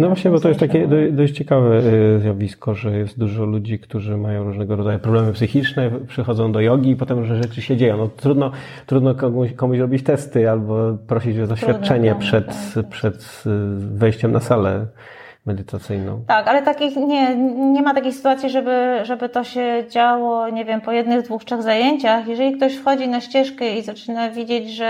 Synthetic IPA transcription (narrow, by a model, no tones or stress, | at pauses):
nɔvwaɕɲɛbɔt̪ɔjɛst̪akʲɛd̪ɔd̪ɔɕt͡ɕɛkavɛzʲjavʲiskɔʐɛjɛst̪̚d̪uʐɔlud͡ʑikt̪uʐɘmajɔ̃w̃ɾuʐnɛɡɔɾɔd̪zajupɾɔblɛmɘpsɘxʲit͡ʂnɛpʂɘxɔd̪zɔ̃w̃d̪ɔjɔɡʲiːpɔt̪ɛmɾuʐnɛʐɛt͡ʂɘɕɛd͡ʑejɔ̃w̃nɔt̪ɾud̪nɔ | t̪ɾud̪nɔkɔkɔmuɕɾɔbʲit͡ɕt̪ɛst̪ɘalbɔpɾɔɕid͡ʑɔzd̪ɔɕffʲat̪̚t͡ʂɛɲɛpʂɛt̪pʂɛt̪ | vɛjɕt͡ɕɛmnʔasalɛ | mɛd̪ɘt̪ʰat̪sɘjnɔ̰̃w̃t̪akalɛt̪akʲixɲɛɲɛmat̪akʲejxsɘ̥t̪uwat̪sʲjiʐɛbɘʐɛbɘt̪ɔɕɛd͡ʑawɔɲɛvʲjɛmpɔjɛd̪nɘɣd̪vuxtʂɛɣzajeɲt͡ɕaxjɛʐɛlʲik̚t̪ɔɕfxɔd͡ʑinaɕt͡ɕɛʂkɛizat͡ʂɘnavʲid͡ʑed͡ʑʐɛ